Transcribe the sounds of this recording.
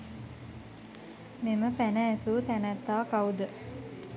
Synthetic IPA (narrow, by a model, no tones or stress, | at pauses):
meməpænəːsuːt̪ænæt̪ːaːkaud̪ə